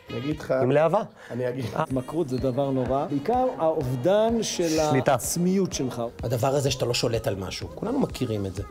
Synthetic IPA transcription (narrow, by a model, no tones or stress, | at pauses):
niaɡidχaimleava | aniaɡiatmakʁut̪zed̪avaʁno̞ʁabeikaʁaovd̪anʃelalit̪at͡smijutʃelχahad̪avaʁazeʃat̪alo̞ʃo̞le̞talma̰ʃukulanumakʰiʁimetze